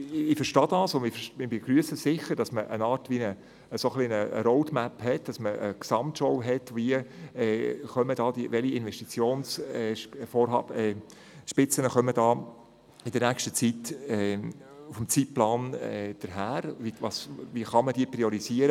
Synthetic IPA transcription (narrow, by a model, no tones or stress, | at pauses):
ɪfəɾʃtɑːd̥ɑsʊnɪfəmɪbeɡ̥ɾyəsəsɪχəɾd̥ɑsməʔə̰nɑːɾtʋinə | əsoχlinəə̰ɾoʊdmæphɛt̚d̥ɑsməə̰ksɑmtʃɔwɦɛtʋiəː | χœməd̥ɑːd̥̪iʋɛliɪnʋɛʃtit͡sjoːnsɛfoːɾɦɑ̰ːbɛ | ʃpɪt͡sənəχœmədɑː | ɪd̥əɾnækʃtət͡sitɛ | ufm̩t͡sitplɑːnɛd̥əɾɦæːɾʋiʋɑsʋiəχɑmədiəpɾiɔɾiziəɾə